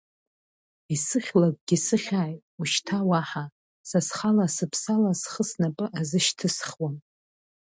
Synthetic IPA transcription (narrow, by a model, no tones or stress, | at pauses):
isɨχʲlak̚ʷʼɡʲɪsɨχʲaːjtʼuʃtʰawaħa | sasχalasɨpʰsalasχəsnapʼɨʔazɨʃtʰɨsχwam